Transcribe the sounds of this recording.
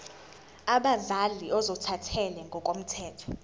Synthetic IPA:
aɓazaliʔɔzɔtʰatʰɛlɛŋɡʱɔk̬ʼom̩tʰɛːtʰɔ̥

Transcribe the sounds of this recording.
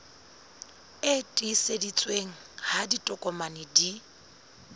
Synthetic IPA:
ɪtʼisedit͡sʼweŋ̩haditʼɔkʼɔmanɪdi

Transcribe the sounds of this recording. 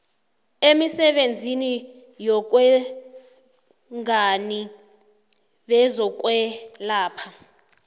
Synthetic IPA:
emisɛɓend͡zʱini | jɔk̬ʼwɛ | ŋani | ɓɛzɔk̬ʼwɛlaːpʰa

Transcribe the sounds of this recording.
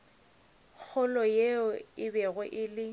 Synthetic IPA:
k͡xʰʊlɔjeɔɪbɛɣɛʔɪlɪ

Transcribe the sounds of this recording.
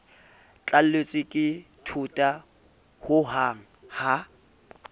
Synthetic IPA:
t͡ɬʼal̩let͡sʼɪkʼɪtʰʊtʼa | hʊɦaŋ̩ha

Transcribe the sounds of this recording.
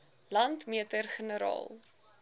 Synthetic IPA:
lɐntmiətərχənəɾɑ̰ːlˠ

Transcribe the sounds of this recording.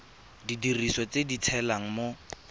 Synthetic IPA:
didirisɔt͡sedit͡sʰɛlaŋ̩mo

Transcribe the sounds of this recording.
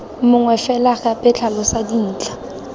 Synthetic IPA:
mʊŋwɛfɛlakapʼɛt͡ɬʰalɔsadin̩ːt͡ɬʼa

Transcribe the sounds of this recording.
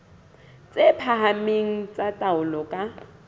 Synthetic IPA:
t͡sʼepʰaɦameŋ̩t͡sʼatʼaʊlɔkʼa

